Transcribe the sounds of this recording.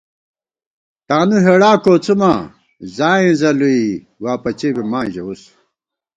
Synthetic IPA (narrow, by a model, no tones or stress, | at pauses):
t̪aːnuɦeɽaːkoːt͡suma | zaːẽzɐlui | waːpɐt͡ɕebimãːʑeus